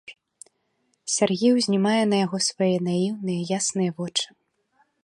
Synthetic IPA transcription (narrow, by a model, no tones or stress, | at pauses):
sʲarɣʲiwzʲnʲimajɛnɐjaɣɔsvajɛnajiwnɨjɐjasnɨjɐvɔt͡ʂɨ̥